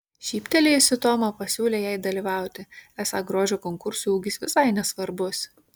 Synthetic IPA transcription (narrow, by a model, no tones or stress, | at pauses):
ʃʲiːpʲt̪ʲɛlʲeɪsʲɪt̪oːmɐpɐsʲuːlʲeːjɛɪd̪ɐlʲiːʋɑˑʊt̪ʲɪæːsɑɡɾoːʒʲoːkɔŋkʊɾsuuːɡʲɪsʋʲɪsɐɪnʲɛsʋɐɾbʊs